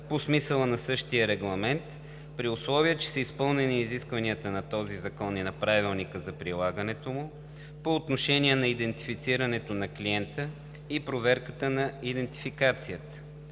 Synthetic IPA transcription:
posmisəlˠənɐsɤʃt̪ijəɾɛɡlˠɐmɛnt̪ | pɾiʊslˠɔviət͡ʃɛ̥səispɤlˠnɛniːziskvɐniət̪ənɐt̪ɔzizɐkɔninɐpɾavilˠnikəzɐpɾilˠaɡənɛt̪omʊ | poːt̪noʃɛnʲiɛnɐid̪ɛnt̪ifit̪siɾɐnɛt̪onɐkliɛnt̪ə | ipɾovɛɾkət̪ənɐid̪ɛnt̪i̥fikat̪sijət̪ə̥

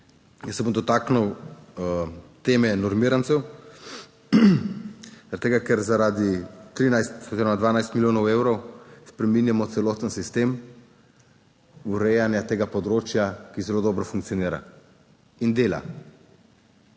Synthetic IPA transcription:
jəsːɛbomd̪ɔt̪aːknuw | t̪eːmɛnɔɾmiːɾant̪sɛw | ɾt̪ːeːɡakɛɾzaɾad̪it̪ɾinajst̪ɔziɾɔmad̪ʋaːnajst̪miljoːnɔwewɾɔwspɾɛminjamɔt̪sɛloːt̪ənsist̪em | uɾɛjanjat̪eːɡapɔd̪ɾoːt͡ʃjakizɛloːd̪ɔbɾɔfuŋk̚t̪iɔniːɾa̰ | ind̪eːla̰

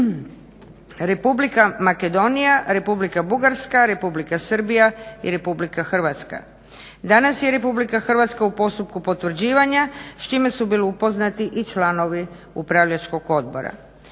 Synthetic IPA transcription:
ɾe̞publikamake̞d̪o̞nijaɾe̞publikabuɡaɾskaɾe̞publikasər̩bijaḭɾe̞publikaxr̩ʋat̪ska̰ | d̪anasjeɾe̞publikaxr̩ʋat̪skaupo̞st̪upkupo̞t̪ʋr̩d͡ʑiːʋaɲast͡ʃime̞subiːliupo̞znat̪iʔit͡ʃlano̞ʋi | upɾaʋʎat͡ʃko̞ɡo̞d̪bo̞̰ɾa̰

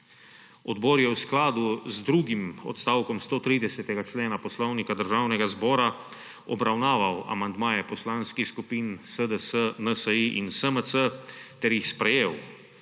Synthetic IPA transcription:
ɔd̪bɔːɾjɛwsklaːd̪uzd̪ɾuːɡimɔ̰t̪st̪awkɔmst̪oːt̪ɾiːd̪ɛsɛt̪ɛɡat͡ʃleːnapɔslɔwnikad̪əɾʒaːwnɛɡazbɔːɾa | ɔbɾawnaːʋawa̰mand̪maːjɛpɔslaːnskixskupiːnsəd̪əsənəsəiʔinsəməsət̪ɛɾjixspɾɛjeːw

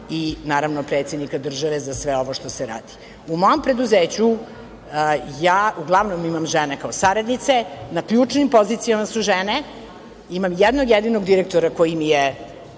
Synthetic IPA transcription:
inaːɾaʋnopɾet̪sed̪nikad̪r̩ʒaʋe̞zasʋeo̞ʋo̞ʃt̪o̞seɾa̰ːd̪i̥ | umo̞jompɾe̞d̪uzeːt͡ɕu | jaːʔuɡlˠaʋno̞mimamʒenekaosaɾad̪nit̪senakʎuːt͡ʂnimpo̞zit̪sijamasuʒene | imamjɛd̪noɡjed̪inoɡd̪iɾek̚t̪oɾako̞jimije

